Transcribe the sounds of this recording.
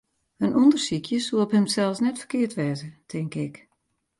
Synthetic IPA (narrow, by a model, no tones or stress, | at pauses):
ənʔundərsikʰjəsuəəphəmsɛlˠsnɛtfə̥rkɪəɹtʋɛːzətʰɪŋkɪk